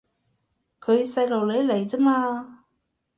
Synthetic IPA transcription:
kʰɵ˨˧ɥsɐ˧jlo˨˩wle˨˧jle˨˩jt͡sɐ˥maː˧

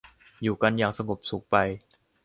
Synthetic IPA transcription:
juː˨˩ka˧njaː˨˩ŋsa˧ŋo˨˩p̚su˨˦k̚pa˧j

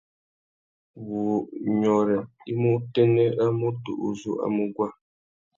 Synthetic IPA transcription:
wu˨ɲɔ˨ɾɛ˨ | i˦mu˦te˦nə˦a˦mu˦tṵ˨ʔṵ˨zṵ˦ʔa̰˦mu˦ɡwa˦

